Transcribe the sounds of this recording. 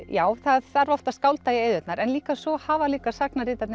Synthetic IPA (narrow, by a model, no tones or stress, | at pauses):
jaːwθaðθaɾvɔft̪askawlt̪ajɪeːjðʏt̪naɾɛnliːkasvɔhaːvaliːkasak̚naɾɪːt̪at̪nɪ